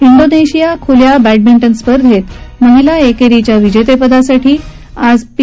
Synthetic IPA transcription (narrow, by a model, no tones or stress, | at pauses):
iɳɖoneɕijakʰuljabæʈ̚biɳʈənspəɾd̪ʱɦet̪məɦilaekeɾit͡ɕjaʋid͡ʑet̪epəd̪asaʈiː | ad͡zp